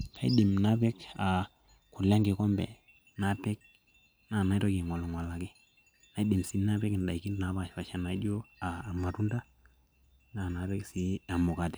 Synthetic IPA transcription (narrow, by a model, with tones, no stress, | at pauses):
ka˦jḭ˦di˨mna˦be˦ka˨ | ku˨la˦ŋɡe˨ko˦mbḛ˨ | na˦pɛ˦k̚ | na˦˨na˨˦to˦ɡi˨ŋwa˨lu˨ŋwa˨la˨ɡi˦ | na˦di˨msi˦na˦be˦ki˨n˨da˨i˨ki˦nna˨˦βa˦˨ʃfa˨ʃa˨na˨i˦do˦a˨ma˨tu˦nda˦ | na˦˨na˨˦be˦ksi˦a˨mo˨ka˨te̥˨